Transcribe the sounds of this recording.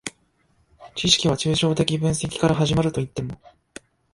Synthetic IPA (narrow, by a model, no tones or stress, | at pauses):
t͡ɕiɕi̥kʲiβ̞at͡ɕɨːɕo̞ːt̪e̞kʲibɯ̟̃ɰ̃se̞kʲi̥kaɾaɦaʑimaɾɯ̟t̪o̞it̪ːe̞mo̞